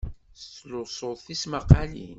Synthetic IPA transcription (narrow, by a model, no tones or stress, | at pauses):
losˤoðˤθismaqalḭn